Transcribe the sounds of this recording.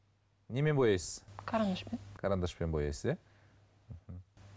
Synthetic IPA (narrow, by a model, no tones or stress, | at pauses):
ne̞me̞nbojɑjsəz̥kʰaɾand̪aʃpenkʰaɾand̪aʃpe̞nbojɑ̰jsəze | m̩hm̩